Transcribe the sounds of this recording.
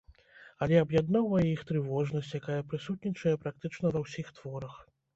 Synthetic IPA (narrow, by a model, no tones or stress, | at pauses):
ɐlʲɛɐbjad̪nawɐixt̪ɾɨvɔʐnɐsʲt͡sʲjakajɐpɾɨsut̪nʲit͡ʂɐjɐpɾak̚t̪ɨt͡ʂn̪ɐvɐwsʲixt̪vɔɾɐx